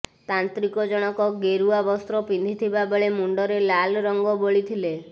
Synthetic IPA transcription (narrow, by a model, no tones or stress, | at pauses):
t̪ant̪ɾikɔd͡ʒɔɽ̃ɔkɔɡeɾuabɔst̪ɾɔpind̪ʱit̪ʰibabeɭemuɳɖɔɾelalɾɔŋɡɔboɭit̪ʰile